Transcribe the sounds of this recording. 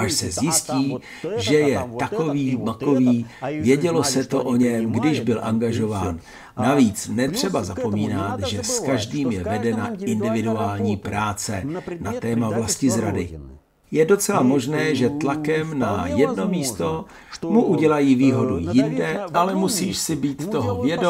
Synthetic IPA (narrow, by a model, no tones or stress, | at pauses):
ʔaʃsɛzjɪsciː | ʒɛjɛt̪ako̞viːmako̞viːvjɛɟɛlo̞sɛt̪o̞̰ʔo̞ɲɛmɡdɪʒbɪlʔa̰ŋɡaʒo̞vaːnː | aviːt͡snɛt̪r̝̥ɛbazapo̞miːnat̪ʒɛskaʒdiːmjɛvɛdɛnaɪndɪvɪduaːlɲiːpɾaːt͡sɛnat̪ɛːmavlascɪzɾadɪ | jɛdo̞t͡sɛlamo̞ʒnɛːʒɛt̪lakɛmnajɛdno̞miːst̪o̞ | muʔuɟɛlajiːviːɦo̞dujɪndɛʔalɛmusiːʃsɪbiːt̪ːo̞ɦovjɛdo